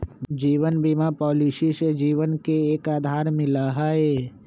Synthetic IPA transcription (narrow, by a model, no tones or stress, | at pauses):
d͡ʒiːʋənbimapɔːlisised͡ʒiːʋənkeeːkaːd̪ʱaːɾmɪ̃laɦaːeː